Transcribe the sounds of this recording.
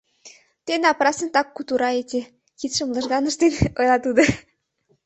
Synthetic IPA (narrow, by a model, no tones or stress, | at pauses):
t̪enɑprɑsə̆nt̪ɑkːut̪uɾɑet̪ʲe | kit̪ʃə̆mlˠɤ̆ʒɣɑnə̆ʃt̪enojlˠɑt̪ud̪ɤ̆